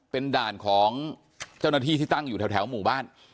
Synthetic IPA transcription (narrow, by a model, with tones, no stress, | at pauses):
pe˧ndaː˨˩nkʰɔː˩˦ŋ | t͡ɕa˥˩wna˥˩t̪ʰiː˥˩t̪ʰiː˥˩t̪a˥˩ŋjuː˨˩ɛː˧wt̪ʰɛː˩˦wmuː˨˩baː˥˩n